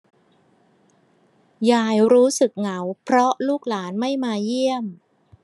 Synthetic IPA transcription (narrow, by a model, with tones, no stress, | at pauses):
jaː˧˩jɾuː˦˥sɯ˨˩k̚ŋa˩˦wpʰɾɔ˦˥ʔluː˥˩k̚laː˩˦nma˥˩jmaː˧ji˥˩əm